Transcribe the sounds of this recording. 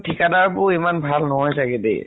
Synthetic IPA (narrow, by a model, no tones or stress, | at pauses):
tʰikadaɹbʊimanbʱalnɔɦɔjsaɡɛdḛj